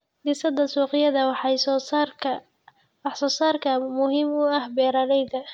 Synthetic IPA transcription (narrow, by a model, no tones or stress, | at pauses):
d̪ɪsɐd̪ɐsuːqɪjɐðɐw | wɑħsɔːsaːrkʰɐmʊɦiːmʊɐhbɛːɾɐɾɛjd̪ɐ